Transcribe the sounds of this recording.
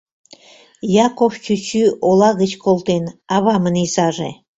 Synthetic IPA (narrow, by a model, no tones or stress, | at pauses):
jɑkoft͡ɕyt͡ɕyolɑɣət͡ɕkolt̪enɑβɑmənizɑʒḛ